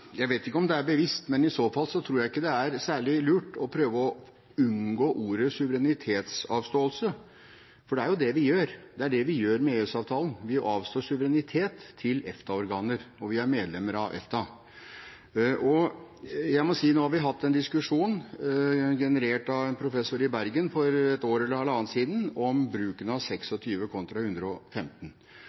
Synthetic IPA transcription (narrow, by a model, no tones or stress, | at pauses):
jæɪʋeɪt̪ɪkːəɔmd̪ɛæɾbəʋɪst̪mɛnɪsoːfɑlːsɔt̪ʰɾuːɾjæɪɪkːəd̪ɛæɾsæːɭɪlʉːʈɔpʰɾøːʋəɔ | ʉnɡoːʔuːɾəsʉʋəɾɛnɪt̪ʰeːt̪sɑːʋst̪oːəlsə | fɔɖɛæɾjʊd̪ɛʋɪjøːɾd̪ɛæɖɛʋɪjøːɾmɛeːʉːsɑːʋt̪ʰɑːlən̩ʋɪʔɑːʋst̪oːʂʉʋəɾɛnɪt̪ʰeːt̪ʰːɪlɛ̰ft̪ʰɑɔɾɡɑːnəɾɔʋɪæɾmeːd̪lɛmːəɾɑʋʔɛ̰ft̪ʰɑ | ʔɔ | jæɪmɔsiːnoːhɑɾʋɪɦɑt̪ʰːɛnd̪ɪskʉʂuːn | ɡɛnəɾeːʈɑʋɛnpʰɾʊfɛsːʊɾɪbæɾɡənfɔɾɛt̪oːɾəɛlːəɾɑlɑːnt̪siːd̪n̩ɔmbɾʉːkənəɑʋsɛksɔt̪ʰyːʋəkʰɔnt̪ɾɑhʉnd̪ɾəɔfɛmt̪ən̩